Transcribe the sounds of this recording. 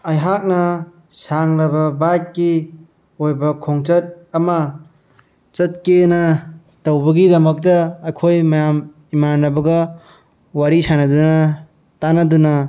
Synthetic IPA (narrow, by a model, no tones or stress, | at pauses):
ɐjɦak̚nɐ | saŋɾɐbɐbakːi | ojbɐkʰoŋt͡ʃɐt̚ | ɐmɐ | t͡ʃɐt̚kenɐ | tɐwbɐɡidɐmɐk̚tɐːjkʰojmɐjam | imanːɐbɐɡɐ | waɾisanɐdunɐ | tanɐdunɐ